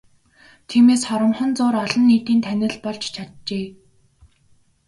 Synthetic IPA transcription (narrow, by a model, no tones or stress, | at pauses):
t̪ʰiːmeːsχɔɾə̆mχɞ̆nt͡sʊːɾɔɮɞ̆nːiːt̪iːnt̪ʰænʲɪ̆ɮpɔɮt͡ɕt͡ɕʰat̪̚t͡ɕeː